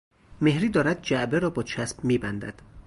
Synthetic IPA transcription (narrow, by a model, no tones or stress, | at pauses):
me̞hɾiːd̪ɒːɾæd̪̚d͡ʒæʔbeɾɒːbɒːt͡ʃʰæsbmiːbænd̪æ̰d̪̥